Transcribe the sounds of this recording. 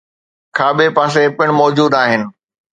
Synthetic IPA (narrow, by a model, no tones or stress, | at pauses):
kʰaːbepaːs̬epɪɽ̃mɔːd͡ʑuːd̪aːɦɪnɪ̆